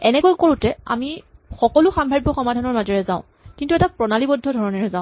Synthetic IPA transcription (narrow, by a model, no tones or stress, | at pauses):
ɛnɛkojkoɹʊ̃tɛa̰mixɔkɔlʊxambʱaɹibɔxɔmadʱanɔɹmazɔɹɛzaʊ̃ | kintuɛtapɹɔnalibɔdʱːɔdʱɔɹɔnɛɹɛzãʊ̃